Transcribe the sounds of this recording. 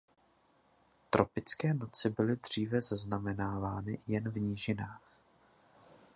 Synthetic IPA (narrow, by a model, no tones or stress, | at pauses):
t̪ɾo̞pɪt͡skɛːno̞t͡sɪbɪlɪd̪r̝̥iːvɛzaznamɛnaːvaːnɪjɛnvɲiːʒɪnaːx